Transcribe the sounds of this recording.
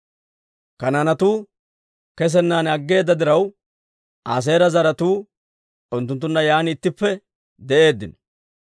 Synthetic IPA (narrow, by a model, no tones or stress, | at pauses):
kɐnanɐt̪uː | kɛs̬ɛnːaːnɐɡːe̞ːd̪ːɐd̪ɪɾɐw | ʔaːs̬e̞ːɾɐzɐɾɐt̪uː | ʊnt̪̬ːʊnt̪̬ːʊnːɐjaːnɪt̪ːɪpːɛ | d̪ɛʔe̞ːd̪ːɪ̰nɔ̥